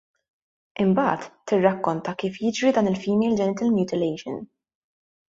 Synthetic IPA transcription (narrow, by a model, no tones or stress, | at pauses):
ʔɪmbɐ̰ːt̪ːɪrːɐkːɔnt̪ɐkiːfjɪd͡ʒɾid̪ɐːnɪlfiːmɛjld͡ʒɛnɪt̪ɐlmjuːt̪ɪlɛjʃɔ̰n